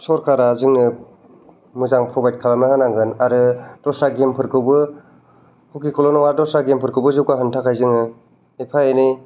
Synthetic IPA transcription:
sɔɾkʰaɾazɯŋnɯ | mɯzaŋpʰɾɔbajd̚kʰalamnahanaŋɡɯnaɾɯd̥ɔsaɡempʰɯɾkʰɯwbɯ | hukikʰɔlɔnɔwaɾdɔsaɡempʰɯɾkʰɯwbɯzɯwkaɦɯntʰakʰajzɯŋɯ | epʰajeni

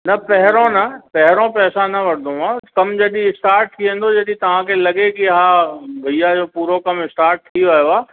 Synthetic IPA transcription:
nɐpɛɦɪɾõnɐpɛɦɪɾõpɛːsanɐʋɐɽd̪ʱõãkɐmd͡ʑɐɗiɪsʈaːɾʈ̚t̪ʰiẽːn̆d̪od͡ʑɐɗĩt̪ɐʋ̤ãkʰelɐɡekiɦaːbʱɐijad͡ʑoːpuːɾokɐmɪsʈaːɾʈ̚t̪ʰiɐjoaː

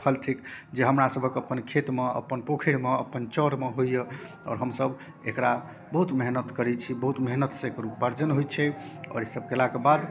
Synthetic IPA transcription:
pʰəlʈʰikd͡ʒeɦəmɾasəbʱəkəpːənkʰet̪meə̰pːənpokʰiɽmeə̰pːənt͡ʃəɾmeɦojje | ɔ̰ːɾɦəmsəb | ḛkɾa | bəɦut̪meɦnət̪kəɾɛt͡ʃʰibəɦut̪meɦnət̪sẽkɾupːaɾd͡ʒənɦojt͡ʃʰɛɔ̰ɾesəb̚kelakebad̪

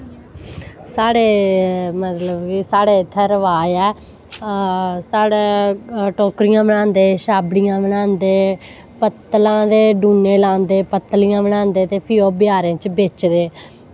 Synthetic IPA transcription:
saːɽeːmət̪ləbkiːsaːɽeːt̪ʰɛːɾəʋaːɛː | saːɽeːʈoːkɾijãːbəɽ̃ãːnd̪eːʃaːbɽijãːbəɽ̃ãːnd̪eː | pət̪ːlãːd̪eːɖuːneːlãːnd̪eːpət̪ːlɪjãːbəɽ̃ãːnd̪eːt̪eːpʰɪːoːbɪjaːɾẽːt͡ʃbeːt͡ʃd̪eː

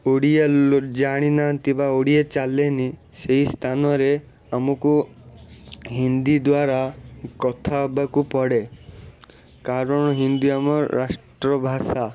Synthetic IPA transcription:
oɽijed͡ʒaɽ̃inat̪ibaoɽiet͡ʃaleni | seɦist̪ʰanɔɾe | amɔku | ɦind̪id̪waɾakɔt̪ʰabakupɔɽe | kaɾɔɽ̃ɔɦind̪iamɔɾasʈɾɔbʱasa

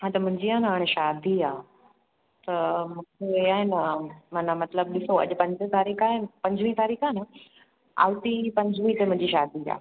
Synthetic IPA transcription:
ɦãt̪ɐmʊ̃ɦɪ̃ɲd͡ʑiaːnɦaːɽ̃eʃaːd̪iaː | t̪ɐmũːkʰeeaːɦɪnəmanamɐt̪ləb̚ɗɪsoɐ̰ʄʊpɐ̃ɲd͡ʑət̪aːɾiːkʰaːɦenpɐ̃ɲd͡ʑʋĩt̪aːɾiːkʰaːnə | a̰ːʋt̪ipɐ̃ɲd͡ʑʱʋĩt̪emʊ̃ɦɪ̃ɲd͡ʑiʃaːd̪ʱia̰ː

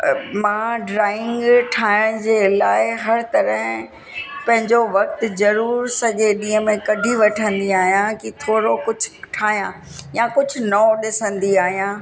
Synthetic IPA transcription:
mãːɖɾaːɪ̃ŋɡʈʰaːɪɽ̃d͡ʑeːlaːɪɦɐɾt̪ɐɾəɦ | pɐ̃ɦɪ̃ɲd͡ʑoʋɐk̚t̪zɐɾuːɾsɐɠeɗĩːɦə̃mẽkɐɖʱiʋɐʈʰə̃nd̪iaːɦijãkit̪ʰoːɾokʊd͡ʑʱʊ̥ʈʰaːɦijãː | jãkʊd͡ʑʱʊ̆nɔɗɪsə̃nd̪iaːɦijãː

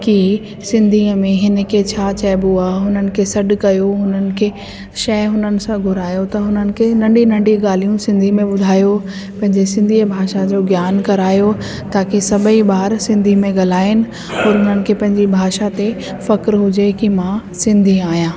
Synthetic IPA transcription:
ki | sɪ̃nd̪ʱiːəmẽɦɪnə̆kʰet͡ɕʰaːt͡ɕɛbuaːɦɦʊnənɪ̆kʰesɐɗkɐjoɦʊnənɪ̆kʰeː | ʃɐɦɪɦʊnənɪ̆sãɡʱʊɾaːjot̪ɐɦʊnənɪ̆kʰenɐ̃ɳɖinɐ̃ɳɖiɡaːl̤ijũsɪ̃nd̪ʱimẽɓʊd̪ʱaːjo | pɐ̃ɦɪ̃ɲd͡ʑesɪ̃nd̪ʱiːəbʱaːʃad͡ʑoːɡjaːnkɐɾaːjo | t̪aːkesɐbʱəiɓaːɾsɪ̃nd̪ʱimẽɡɐl̤aːɪnɪ̆ | ɔːɾɦʊnənɪ̆kʰepɐ̃ɦɪ̃ɲd͡ʑibʱaːʃat̪e | fɐkɾɦʊd͡ʑekimãsɪ̃nd̪ʱiaːijãː

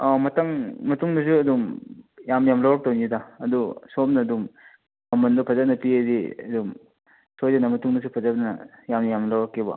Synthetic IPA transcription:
amɐtɐŋmɐtuŋdɐs̬uɐdumjamjamlawɾɐk̚townidaɐdusopnɐːdum | ɐmɐndupʰɐzɐt̚nɐpiediɐdum | sojdɐnɐmɐtuŋdɐs̬upʰɐzɐt̚nɐjamnɐjamlawɾɐkːebɐ̰

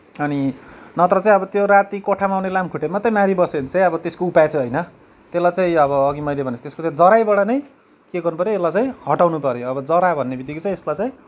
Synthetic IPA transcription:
ʌninʌt̪rʌt͡saĩʌbʌt̪joɾat̪ikoʈʰamaawnelamkʰuʈʰemat̪ːʌjmaɾibʌsenit͡saĩʌbʌt̪eskoupat͡saĩɦʌjnʌ | t̪elajt͡saĩʌβʌːɡimʌjlebʱʌnesʰt̪eskot͡saĩd͡zʌɾajbʌɽanʌj | keɡʌrnupʌɾjoeslajt͡saĩhʌʈawnupʌɾjoʌbʌd͡zʌɾabʱʌnːebid̪ikot͡saĩeslajt͡sãj̃

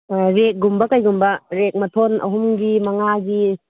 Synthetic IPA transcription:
ɾek̚ɡumbɐkajɡumbɐɾek̚mɐtʰonʔɐ̰ɦumɡimɐŋaɡi

